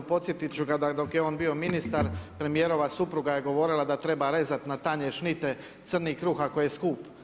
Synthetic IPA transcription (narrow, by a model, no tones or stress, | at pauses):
po̞t̪sjet̪it͡ʃuɡad̪ad̪o̞kjeo̞ːnbio̞minist̪aɾpɾe̞mije̞ːɾo̞ʋasupɾuɡaje̞ɡo̞ʋo̞ɾilˠad̪at̪ɾe̞baɾe̞zat̪nat̪aɲeʃnit̪e̞ | t̪sr̩nikɾuːxakojeskuːp